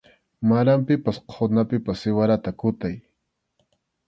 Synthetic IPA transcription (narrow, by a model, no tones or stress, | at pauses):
maɾampɪpasqʰonapɪpasːɪwaɾat̪akʊt̪aj